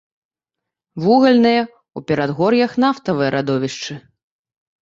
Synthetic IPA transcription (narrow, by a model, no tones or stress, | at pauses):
vuɣɐlʲnɨjɐ | upʲɛɾad̪ɣɔrjɐxnaft̪ɐvɨjɐɾʔad̪ɔvʲiʂt͡ʂɨ